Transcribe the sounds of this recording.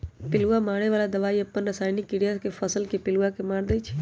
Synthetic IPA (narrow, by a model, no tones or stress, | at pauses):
pɪluamaːɽ̃eʋaːlad̪əʋaːiəpːənɾəsaːjnikɪɽijakefʰəsəlkepɪluakemaːɽd̪əit͡ʃʰe̥